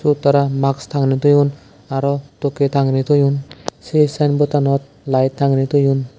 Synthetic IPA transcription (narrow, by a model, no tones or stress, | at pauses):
sut̪aɾamakst̪ʰaŋnit̪ɔjun | aɾɔt̪ɔket̪ʰaŋnit̪ɔjunsesanbɔt̪anɔt̪̚ | lajt̪ːʰaŋnit̪ɔjun